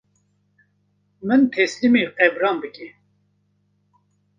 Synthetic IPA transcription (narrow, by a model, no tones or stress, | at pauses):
mɨnt̪ʰɛslimiqɛvɾɑːnbɨkʲɛ